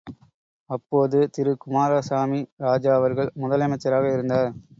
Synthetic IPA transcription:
ɐpːoːðɯt̪ɪɾɯkʊmaːɾasaːmiɾaːd͡ʒaːʋɐɾɣɐɭmʊðɐlɐmɐɪt͡ʃːɐɾaːɣɐɪɾɯnd̪aːɾ

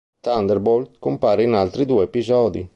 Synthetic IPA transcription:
t̪and̪ɛɾbold̪kompaːɾeinalt̪ɾid̪uːɛepizɔːd̪ḭ

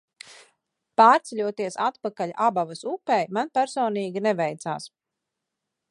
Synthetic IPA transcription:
paːɾt̪sɛʎʲuɔt̪iɛsat̪pakaʎʲʔabavasupɛjmanpæɾsɔːniːɡʲinɛvɛjt̪sa̰ːs

